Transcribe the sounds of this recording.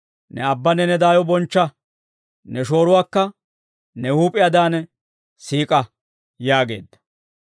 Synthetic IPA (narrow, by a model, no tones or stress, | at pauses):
nɛɐbːɐnɛnɛd̪aːjɔbɔnt͡ʃːɐ | nɛʃo̞ːɾʊwaːkːɐ | nɛhuːpʼɪjɐd̪aːn | siːkʼɐ | jaːɡe̞̰ːd̪ːɐ̥